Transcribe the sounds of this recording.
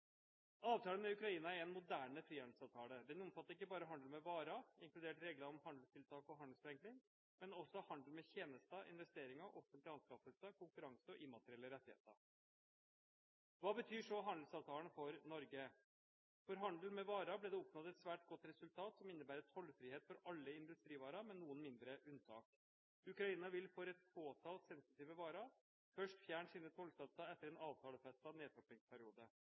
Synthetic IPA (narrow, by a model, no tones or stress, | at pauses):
ɑːʋt̪ʰɑːlənmɛʉkɾɑiːnɑæɾɛnmʊd̪æːɳəfɾiːɑnd̪sɑːʋt̪ʰɑːləd̪ɛnɔmfɑt̪ːəɪkːəbɑːɾəɦɑnd̪l̩mɛʋɑːɾɑɪŋklʉd̪eːʈɾeːɡləɾɔmhɑnd̪l̩st̪ʰɪlt̪ʰɑːkɔɦɑnd̪l̩sfɾɛŋknɪŋ | mɛnɔsːɔhɑnd̪l̩mɛçeːnəst̪əʔɪ̰nʋɛst̪eːɾɪŋɑʔɔfənt̪ɪɑnskɑfəsəkʊŋkʉɾɑŋsəɔʔɪmːɑt̪əɾɪɛlːəɾɛt̪ːɪḛːt̪ə̰ | ʋɑːbət̪ʰyːʂɔɦɑnd̪l̩sɑːʋt̪ʰɑːln̩fɔɾnɔɾɡə | fɔɾɦɑnd̪l̩mɛʋɑːɾɑblɛːd̪ɛɔpnɔt̪ɛt̪sʋæːʈɡɔt̪ɾɛsʉlt̪ʰɑːt̪sɔmɪnːəbæːɾɛt̪hɔlːfɾiːheːt̪fɔɾɑlːəɪnd̪ʉst̪ɾiːʋɑːɾɑmɛnːuːənmɪnd̪ɾəʔʉnsʰɑ̰ːk | ʉkɾɑiːnɑʋɪlfɔɾɛt̪pʰoːt̪ʰɑːlt̪sɛnsɪt̪iːʋəʋɑːɾɑ | fœʂʈfjæːɳsiːnət̪ʰɔlsɑt̪ːɑɛt̪ːəɾɛːnɑːʋt̪ʰɑːləfɛst̪ɑneːt̪ɔp̪ɪŋspʰæɾɪuːd̪ə